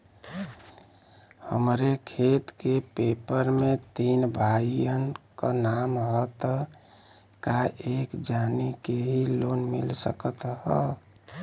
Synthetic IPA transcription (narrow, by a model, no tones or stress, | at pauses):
hə̰mɾekʰet̪kepepəɾmet̪inbʱaijənkənamɦət̪ | kaʔekd͡ʒanikeɦilonmilsəkət̪ɦə